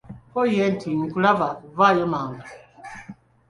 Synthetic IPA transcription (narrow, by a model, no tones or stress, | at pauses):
pɔjɛn̩tʰiŋ̩kulavavajəmaŋa